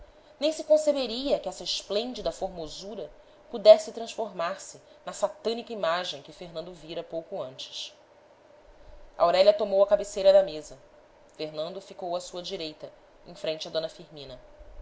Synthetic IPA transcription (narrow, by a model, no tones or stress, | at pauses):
nẽj̃sɪkõsebeɾiɐkɪɛsɐɪʃplẽnd͡ʒid̪ɐfoɾmozuɾɐ | pud̪ɛsɪt̪ɾɐ̃ʃfoɾmaɾsɪ | nɐsat̪ɐ̃nikɐimaʒẽj̃kɪfeɾnɐ̃nd̪ʊviɾɐpowkʊɐ̃nt͡ʃɪ̥ʃ | ɐ̰awɾɛlɐt̪omowɐkabesejɾɐd̪ɐmezɐ | feɦnɐ̃nd̪ʊfikowɐsuɐd͡ʒiɾejt̪ɐ | ẽj̃fɾẽnt͡ʃɪɐd̪õnɐfiɾmĩnɐ